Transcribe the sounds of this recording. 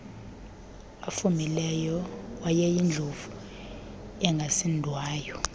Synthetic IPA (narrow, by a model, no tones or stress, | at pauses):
afumilɛjɔwajɛjind͡ɮʱovu | ɛŋɡʱasindʱwaːjɔ